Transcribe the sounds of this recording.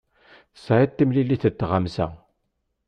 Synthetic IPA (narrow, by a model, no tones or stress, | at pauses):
saʕit̪ːimlilːiθət̪ːʁamsæ̰